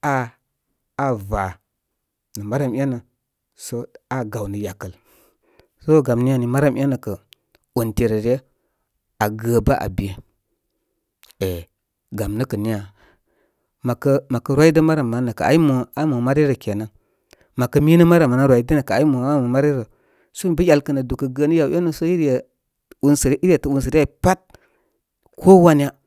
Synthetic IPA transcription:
aː˦˨ | va˨ | nə˨ma˦ɾa˦˨mi˦a˦nə˨ | so˦a˦ɡa˨wnə˨ja˨kə˨l | so˦ɡa˨mni˦ja˨ni˨ma˦ɾa˦mʔi˦a˦nə˨kə˨ | o˨nte˨ɾə˨ɾe˦ | a˨ɡə˨ba˦ʔa̰˨bi˨je˦ | e˨ | ɡa˨mnə˦kə˨ni˦ja˨ | ma˨kə˦ma˨kə˨ɾwa˦i˦də˦ma˦ɾa˨mːa˨˦nə˨kə˨a̰˨˦i˦mo˨a˦mo˨ma˦ɾi˦ɾə˨ke˨na˨ | ma˨kə˦mi˦nə˦ma˦ɾa˨ma˨na˦ɾʷwa˨i˦də˦nə˨kə˨a˨˦i˦mo˨a˦o˨ma˦ɾi˦ɾə˨ | so˦m˨bə˦ja˨lkə˨nə˨du˨kə˨ɡə˦nə˦ja˨we˦nə˨so˦i˦ɾje˨ | u˦nsə˨ɾi˦ɾe˨tə˨u˦ns̬ə˨ɾi˦a˦i˨pa˦t̚ | kʰo˦wa˦n˦ja˦

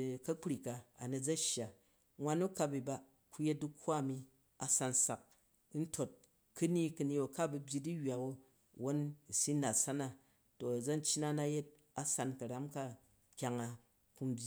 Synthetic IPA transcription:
kɐ˦k͡pɾi˨ka˨a˨ne˨d͡zɐ˦ʃja˨ | ŋwa˦nːu˦ka˧bi˨ba˨ | ku˦je˦t̚du˦kʰʷːa˦˨mi˧ | a˨sa˧n˨sa˨k̚ | n̩˦tʰo˨t̚ | kɨ˦ni˦kɨ˧ni˦wo˨ka˦bu˧bʲji˧di˦jʲa˨wo˦ | wo˦n˨si˦na˨sa˦na˦ | to˨d͡zɐ˦n̩˦t͡ʃːi˦na˦na˦je˦t̚ | a˦sa˧n˨kɐ˨ɾa˦mka˦ | kʲa˨ŋa˨ | ku˦˧m˦bʲi˦

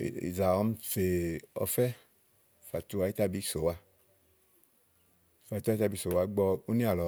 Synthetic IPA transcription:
ḭ˨za˨ɔ˧˦m˦fe˨ɔ̰˧fɛ˦ | fa˨tu˧˦a˧˦i˦ta˧˦bi˨˧˦so˨wa˧ | fa˨tu˦a˧˦ta˧˨bi˧˦so˨wa˧˦ɡ͡bɔ˧o˦ni˦a˨lɔ˨

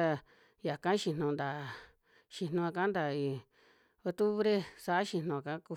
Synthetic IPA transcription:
a˧ | ja˨kã˦ʃi˧nõ˧nd̪a˨ | ʃi˧nõ˧a˧kã˦nd̪a˨i˨ | o˧t̪u˦βɾe˦sa˧˨a˦ʃĩ˧nõ˧a˧kã˦ku˧

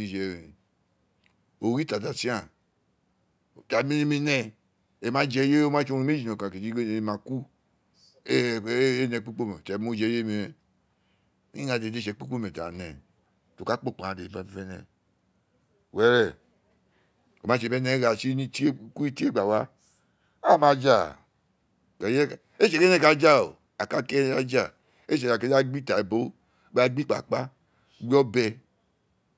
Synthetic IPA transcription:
i˦d͡ʒɛ˨ɾi˨ | o˨ɾi˦ta˨da˨si˦a˨ | ta˨mi˦ne˦mi˧nɛ˦˧ | e˨ma˦d͡ʒɛ˦je˦o˦ma˦t͡ʃo˦e˨me˦d͡ʒi˨no˨kã˨ke˨d͡ʒi˦e˦n˨e˨ma˨ku˦ | e˦˨˦e˦nɛ˧˨k͡pi˦k͡po˦mɛ˨tɛ˨˦mo˦d͡ʒɛ˧˦je˦mi˧ɛ˨˦ | i˦a˧˨de˨de˦ʃɛ˨˦k͡pi˦k͡po˦mɛ˨ta˨nɛ˨ | to˨ka˦k͡po˦˨k͡pã˨a˨de˨i˨˦ba˨˦ɛ˦nɛ̰˨ | we˨˦ɾɛ˨ | ko˨ma˨˦ʃ̬e˨be˦ne˦ɣa˨si˦i˦i˦ku˦i˦ti˦e˦ɡ͡ba˨wa˦ | a˦˨ma˨d͡ʒa˨ | ka˨je˦˨ | e˦ʃe˨ke˦ne˦ka˨d͡ʒa˦o̰˨ | a˨ka˦ke˦a˦d͡ʒa˦˨ | e˦ʃ̬e˨ka˨ke˦a˦ɡ͡bi˦ta˨e˨bo˦ | ba˦ɡ͡bi˦k͡pa̰˨k͡pa˦ | ɡ͡bi˦ɔ˦bɛ˦

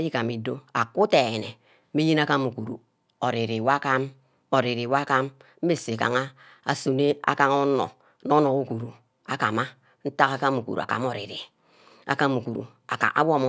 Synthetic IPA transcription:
a˦ji˦ka˨mi˨do˦a̰˨ku˦te˨nḛ˨˦ | i˦ji˦na˦ka˦mu˨ku˨ɾṵ˨ | o˨ɾi˨ɾi˨wa˦ka˦m | o˨ɾi˨ɾi˨wa˦ka˦m | m̩˦e˦se˨ka̰˨ŋa˦ | a˨su˨ne˦a̰˨ka˦ŋo˦no̰˨ | no˦no˨u˦ku˨ɾu˨ | a˨ka̰˨ma˦ | n̩˦ta˦ka˦ka˦mu˨kṵ˨ɾṵ˨a̰˨ka̰˨m˦o˨ɾḭ˨ɾḭ˨ | a̰˨ka˦mu˨ku˨ɾṵ˨ | a˨ka̰˨ʔa̰˦wo˦m˦

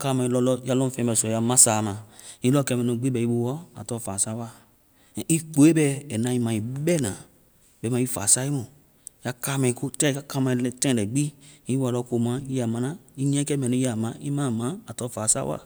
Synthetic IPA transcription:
ka˦˨mã˧i˧lɔ˧lɔ˧˦a˧lɔ˦fɛ̃˧˨bɛ˧˨sɔ˨ja˧mã˦saː˨mã˧i˦lɔ˦kɛ˧mɛ˨nõ˨˧˨ɡ͡bi˦bɛ˧i˧˦bo˧˨wɔ˦a̰˨tɔ˧˦faː˨sa˦wa˦˨ | i˦k͡po˨e˦bɛ˧ɛ˨nã˧i˧mã˧i˨˦bɛ˦˨nã˨ | bɛ˨˦mã˧˦i˦fa̰ː˨sa˦i˦mõ˨ | ja˧ka˦mɛ̃˧ko˦tɛ˦˨˧ka˦ka˦mã˧ltɛ̃˦˨lɛ˨ɡ͡bi˦i˦wa˧˨lɔ˧˦ko˧˨mã˨˦i˦ja˨mã˨˧nã˦i˦ɲ˦ɛ̃˦kɛ˦mɛ˨nũ˧˦i˦a˨mã˨˦ḭ˦mã˦˨mã˨˦a˨tɔ˧˦faː˨sa˦wa̰˦˨

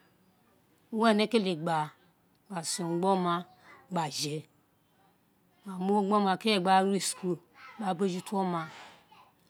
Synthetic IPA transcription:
u˦wɛ˦˨ne˦ke˦le˨ɡ͡ba˨ | ɡ͡ba˨so˨ɡ͡bɔ˦ma˧ | ɡ͡ba˨ʒe˨ | ma˨mo˦ɡ͡bɔ˦ma˧˨ke˦ɛ˦˨ɡ͡ba˧˦i˨sku˧ | ɡ͡ba˨˦be˦d͡ʒi˦to˦mã˧

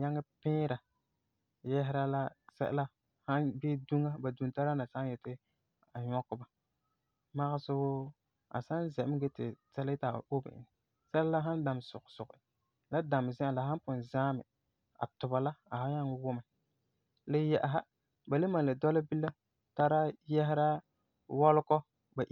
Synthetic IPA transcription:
ɲa˦ŋɪ˦pɪː˦ɾa˨ | jɛ˦ɦɪ˦ɾa˦la˦sɛ̰˦ʔla˦ | ha˦nbeː˦du˦ŋa˦ba˨du˨n˨ta˦ɾa˦na˨sa˦njɛ˨tɪ˦ | a˨ɲɔ˦kːʊ˦ba˨ | ma˦ɣɪ˦sʊ˦ɡʊ˦ | a̰˨sa˦nzɛ˨ʔm˦ɡe˦tɪ̰˨tɛ˦lɪ˦ta˨o˦bɪ̰˨ʔɪ̰˨n˨ | sɛ˦la˦la˦ɦa˦n˦da˨msʊ̰˨ɡsʊ˨ɣɪ̰˨ | la˦da˨m˨zɪ̃˦ʔa˨la˨ɦa˦pʊ˨n˨zaː˦mɪ̰˨ | a̰˨tʊ˨ba˨la˦a˨ha˦ɲa˦ŋ˦wʊ˦ma˨ | lɪ˦jɛ˨ʔa˨ɦa˦ | ba˨le˦ma˨la˨dɔ˦la˦bi˦la˦ | ta˦ɾa˦jɛ˦ɦɪ˦ɾa˦ | wɔ˦lʊ˦kɔ˦ | ba˨ʔ

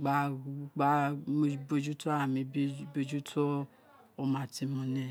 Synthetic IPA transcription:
ɡ͡ba˨˦˨ɡ͡ba˦mo˧bo˧d͡ʒu˦tʰɔ˦a˦˨mĩ˧bi˦bo˧d͡ʒu˦tʰɔ˦ | o˧mã˧˨ti˧mũ˧nɛ̃˦˨

